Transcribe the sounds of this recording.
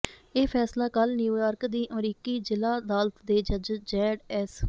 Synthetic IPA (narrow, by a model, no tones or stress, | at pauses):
eːpʰɛːslaːkəlnjuːjaːɾkd̪iːʔəmɾiːkiːd͡ʒɪlaːd̪aːlt̪d̪eːd͡ʒəd͡ʒd͡ʒɛːɖɛs